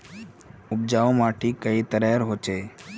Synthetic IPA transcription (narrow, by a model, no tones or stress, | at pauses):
ʊb̚d͡ʒaːõmaːʈʰiːkəit̪əɾɛɾɦoːt͡ʃeː